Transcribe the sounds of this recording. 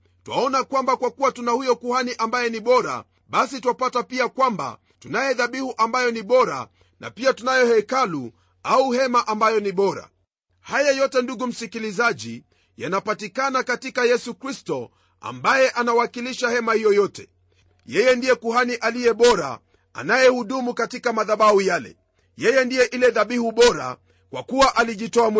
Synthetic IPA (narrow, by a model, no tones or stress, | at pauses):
twa̰ɔnakwambakwakuwatunahujɔkuhaniʔambajɛniɓɔɾa̰ | ɓasituwapatapiakwamba̰ | tunajɛðaɓihuʔambajɔniɓɔɾa̰ | na̰piatunajɔhɛkalu | auhɛmaʔambajɔniɓɔɾa̰ | hajajɔtɛnduɡum̩sikilizaʄi | janapatikanakatikajɛsukɾistɔ | a̰mbajɛʔanawakiliʃahɛmahijɔjɔtɛ | jɛjɛndijɛkuhaniʔalijɛɓɔɾa̰ | a̰najɛhuɗumukatikamaðaɓahujalɛ̰ | jɛjɛndijɛʔilɛðaɓihuɓɔɾa̰ | kwa̰kuwaʔaliʄitɔam